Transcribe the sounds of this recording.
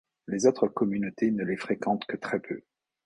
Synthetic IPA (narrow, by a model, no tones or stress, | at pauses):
lezot̪χəkɔmynot̪ʰenəlefχekɑ̃t̪kət̪χɛpʰø̰